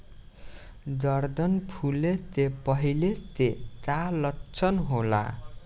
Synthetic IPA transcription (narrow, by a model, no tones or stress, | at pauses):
d̪ʌrd̪ʌnpʰulet̪epʌɦilet̪et̪alʌtːt͡sʰʌnɦola̰